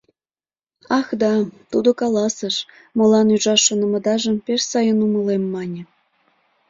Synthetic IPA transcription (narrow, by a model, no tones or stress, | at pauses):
ɑxd̪ɑt̪ud̪okɑlɑsə̆ʃ | mɤ̆lɑnuʒɑʃːonɤ̆mɤ̆d̪ɑʒə̆mpeʃsɑjənumə̆lemːɑnʲĕ